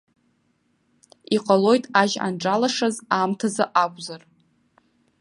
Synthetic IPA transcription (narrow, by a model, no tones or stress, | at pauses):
iqʼalo̞jtʼaʒa̰nʈ͡ʂʼalaʂazamtʰazaʔakʷʼzar